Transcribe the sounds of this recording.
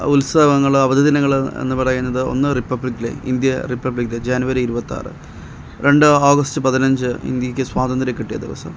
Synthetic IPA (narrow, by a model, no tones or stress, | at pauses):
ulsaːʋɐŋːɐɭɐʋɐd̪id̪inɐŋːɐɭḛnːɨpɐɽɐjunːɐðɨo̞̰nːɨripːɐbɭikːilḛḭnd̪jɐripːɐblikːled͡ʑaːnuʋɐɾiiɾubɐt̪ːa̰ːrɨ̰ | ɾʔe̞ɳɖɨaːɡɐstɨpɐðinɐɲd͡ʑɨḭnd̪jɐkʲːɨswaːd̪ɐnd̪ɾɐkːiʈːijɐd̪iʋɐ̰sɐ̰m